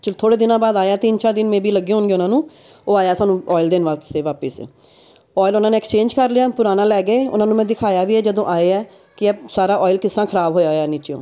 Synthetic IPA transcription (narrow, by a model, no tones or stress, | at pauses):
t͡ʃət̪ʰoːɽeːd̪ɪnãːbaːd̪aːjaːt̪iːnt͡ʃʰaːd̪ɪnmɛ̃ːbiːləɡːẽɦʊnɡeːʊnãːnũː | oːaːjaːsaːnũːɔːɪld̪ɪnʋaːt̪seːʋaːpɪsḛː | ɔːɪlʊnãːneːkst͡ʃẽːnd͡ʒkəɾlɪjaːpʊɾaːnãːlɛːɡeːʊ̰nãːnũːmɛ̃ːd̪ɪkʰaːjaːʋiːɛːd͡ʒəd̪õːʔaːeːɛː | kɪɛsaːɾaːʔɔːɪlkɪsːãːkʰəɾaːbɦoːjaːɛːniːt͡ʃːõ̰ː